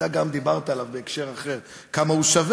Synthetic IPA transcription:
aɡamd̪ibaʁt̪aalavbeːkʃe̞ʁaχe̞ʁ | kamauʃav

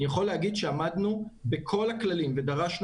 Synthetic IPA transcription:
ijaχo̞lːehaɡid̪ʃeamad̪nubekʰo̞laklalimve̞d̪aʁaʃn

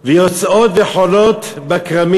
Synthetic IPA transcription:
vejot͡sot̪veħolot̪ | bakʁami

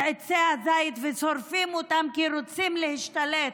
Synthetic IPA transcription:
et͡seazajit̪vesoɾfimot̪amkiɾot͡simlehiʃt̪alet̪

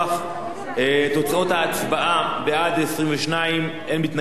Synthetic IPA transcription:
f | t̪o̞t͡sao̞t̪aːt͡sbaʔabeadesʁimveʃnaim | enmit̪na

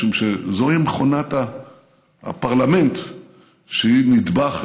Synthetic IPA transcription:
umʃezojimeχonat̪a̰ | paʁlame̞nt̪ | ʃeinid̪baχ

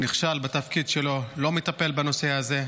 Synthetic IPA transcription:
niχʃalbet̪afkid̪ʃelo̞lo̞met̪ape̞lbano̞seaze̞

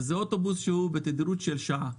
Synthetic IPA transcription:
zeot̪o̞busʃehubet̪ed̪iɾut̪ʃelʃaa

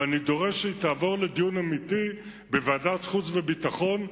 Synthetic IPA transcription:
anid̪o̞ʁeʃeit̪aːvo̞ʁled̪ijunamiti | beveaːdat̪χut͡svebit̪aχo̞n

